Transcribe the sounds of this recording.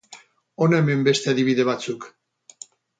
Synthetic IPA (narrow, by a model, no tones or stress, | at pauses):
onaemembest̪e̞aðiβ̞iðe̞βat͡suk